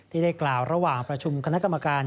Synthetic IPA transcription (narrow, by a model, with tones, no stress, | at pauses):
t̪ʰiː˥˩da˥˩klaː˨˩wɾa˧waː˨˩ŋpɾa˧t͡ɕʰu˧mkʰa˧na˦˥ka˧mːa˧kaː˧n